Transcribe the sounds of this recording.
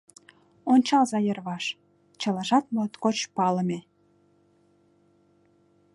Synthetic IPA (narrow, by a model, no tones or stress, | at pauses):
onʲt͡ɕɑlzɑjərβɑʃ | t͡ɕə̆lɑʒɑt̪mələt̪kot͡ɕpɑləme